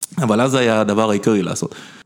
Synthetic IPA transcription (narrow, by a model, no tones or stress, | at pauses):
avalazajad̪avaʁaikaʁila̰ːso̞̰t̪